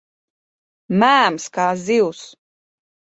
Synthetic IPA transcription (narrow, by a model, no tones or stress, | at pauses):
mæːmskaːziws